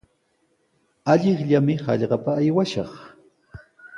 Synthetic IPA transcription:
aʎɪχʎamɪhɑ̰ʎɢɑpaːjwaʃɑχ

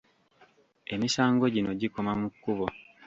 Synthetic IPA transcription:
e̞misaːŋɡo̞ɟino̞ɟikomamukːuβo

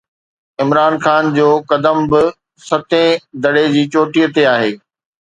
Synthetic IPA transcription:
ɪmɾaːnxaːnd͡ʑoːkɐd̪əmbɪ | sɐt̪ʰẽd̪ɐɽed͡ʑiːt͡ɕoːʈiːət̪eaːɦeː

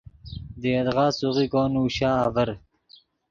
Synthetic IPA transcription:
d̪eːɐd̪ʁɑːsuʁikoːnuːɕaːvɐɾ

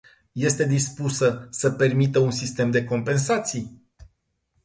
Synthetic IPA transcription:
je̞st̪e̞d̪ispusəsəpe̞rmit̪əunsist̪e̞md̪e̞ko̞mpe̞nsat̪sij

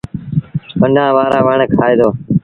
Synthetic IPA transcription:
pəɳɖʱãːʋaːɾãːʋaːɳekʰaːeːd̪oː

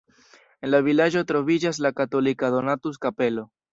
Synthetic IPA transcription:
e̞nlavilad͡ʒo̞tɾo̞vid͡ʒas̬lakato̞likado̞natus̬kape̞lo̞

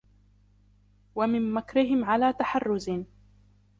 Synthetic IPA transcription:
wamɪmmakɾɪɦɪmʕalaːt̪aħarːʊz

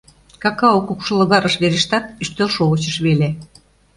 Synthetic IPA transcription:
kɑkɑokukʃɤ̆lɤ̆ɣɑɾəʃβeɾĕʃt̪ɑt̪̚yʃt̪ølʃolə̆t͡ɕə̆ʃβele

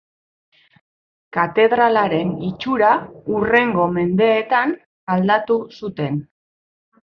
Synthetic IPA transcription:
kat̪e̞ðɾalaɾe̞nit͡ʃuɾaure̞ŋɡo̞me̞nd̪e̞ːt̪an | ald̪at̪usut̪e̞n

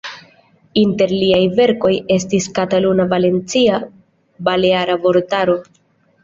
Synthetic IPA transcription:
inte̞ɾliajve̞ɾko̞je̞s̬tiskatalunavale̞nt͡sia | bale̞aɾavo̞ɾtaɾo̞

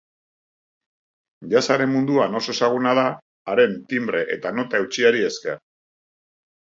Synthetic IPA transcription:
ʎasaɾe̞mmund̪uano̞so̞e̞saɣ̞unað̞aː | ɾe̞nt̪imbɾe̞ʔe̞̰t̪ano̞t̪ae̞wt͡ʃiaɾie̞ske̞̰ɾ

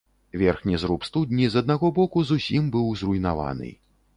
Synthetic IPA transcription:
vʲɛrxnʲizɾupst̪ud̪ʲnʲizɐd̪̚naɣɔbɔkuzusʲimbɨwzrujnava̰nɨ̰

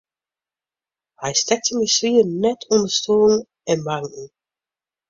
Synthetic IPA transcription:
hɛjstɛk̚təməswiənɛtʰɔndəstoːŋ | ɛnbaŋkŋ̩

